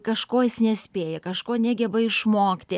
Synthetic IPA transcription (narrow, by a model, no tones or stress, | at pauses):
kɐʃkoːjɪsnʲɛsʲpʲeːjɛkɐʃkoːnʲæːɡʲɛbɐɪʃmoːkt̪ʲɪ